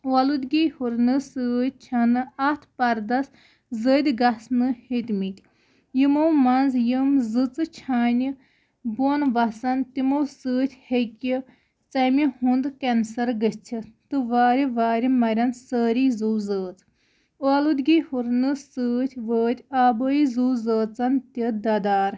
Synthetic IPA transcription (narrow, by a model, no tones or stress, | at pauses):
ʋalud̪ʲɡʲihuɾnɨsəːt̪̚ʲt͡ʃʰɐnɨɐt̪ʰpɐɾd̪ɐs | zəːd̪ʲɡɐsnɨhit̪ʲmit̪ʲ | jimowmɐnzjəmzɨt͡sɨt͡ʃʰaːnʲi | bonʋɐsɐnt̪imowsəːt̪ʲʰhekʲi | t͡sɐmihũnd̪kɐnsɐɾɡəst͡sʰit̪ɨʋaːɾʲiʋaːɾimɐɾʲɐnsəːɾizuːzəːt͡s | oɐlud̪ʲɡihuɾnɨsəːt̪ʲʰʋəːt̪ʲʰaːbəizuːzəːt͡sɐnt̪id̪ɐd̪aːɾ